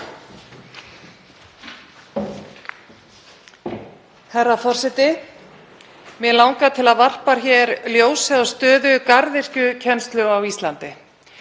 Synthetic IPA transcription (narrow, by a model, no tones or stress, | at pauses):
hɛɾafɔr̥sɛt̪ɪ | mɛlawŋkat̪ʰɪlaðvar̥paɾ̥çɛɾljoːwsɛðɔst̪œːðʏkaɾðɪr̥cʏcʰɛnst̪lʏawist̪lant̪ɪ